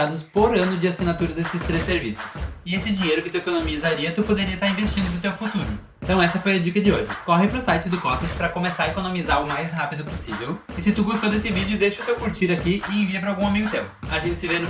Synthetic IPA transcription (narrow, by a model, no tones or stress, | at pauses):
ad̪ʊspoɾɐ̃nʊd͡ʒɪasinat̪uɾɐd̪esɪst̪ɾesːeɾvḭsʊ̥sɪesɪd͡ʒiɲejɾʊkɪt̪uekonomizaɾiɐt̪upod̪eɾiɐst̪aɾĩvest͡ʃĩnd̪ʊnʊt̪ewfut̪uɾʊent̪ɐ̃w̃ɛsɐfojɐd͡ʒikɐd͡ʒɪoʒɪkɔɦɪpɾʊsajt͡ʃɪd̪ʊkɔ̃t̪ẽspɾɐkomesaɾekonõmizaɾʊmajshapid̪ʊposivew | ɪsɪt̪uɡost̪od̪esɪvid͡ʒʊd̪eʃɪʊt̪ewkuɾt͡ʃiɾakiʔɪẽviɐpɾɐawɡũamijʊt̪ẽmpʊ̥aʒẽnt͡ʃ̪ɪ̥sɪvenʊ